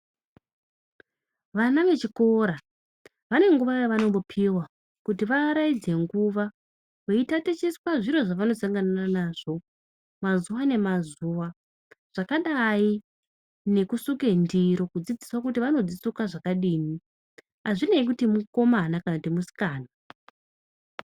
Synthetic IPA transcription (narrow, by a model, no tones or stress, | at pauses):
ʋanaʋe̞t͡ʃiko̞ɾa | ʋane̞ŋɡuʋajaʋano̞mopʰiwa | kutiʋaːɾaid͡ze̞ŋɡuʋa | weitate̞t͡ʃeswaʐiɾo̞ʐaʋano̞saŋɡanananaːʐ̥o̞ | mazuʋane̞mazuʋa | ʐ̥akaɗai | ne̞kusuke̞ndiɾo̞kud͡zid͡ziswak̬utiʋano̞d͡zisukaʐakaɗiːni | aʐine̞ik̬utimuko̞manakanakutimusi̥kaːna